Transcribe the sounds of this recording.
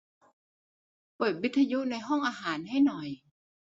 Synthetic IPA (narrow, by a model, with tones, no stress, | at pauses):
pɤː˨˩t̪̚wi˦˥t̪ʰːa˧ju˦˥ʔna˧jɦɔ˥˩ŋʔaː˧ɦaː˩˦nɦa˥˩jnɔ˨˩j